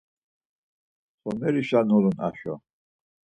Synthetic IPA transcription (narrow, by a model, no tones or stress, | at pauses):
χɔmɛɾiʃanɔluna̰ʃɔ̰